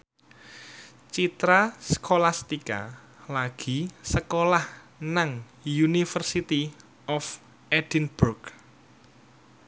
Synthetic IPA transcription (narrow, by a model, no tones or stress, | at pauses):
t͡ʃit̪ɾaskʰolast̪ika̰ | laɡ̥i̤səkolah | naŋ | junifərsit̪i | ɔf | ʔɛd̥inburɡ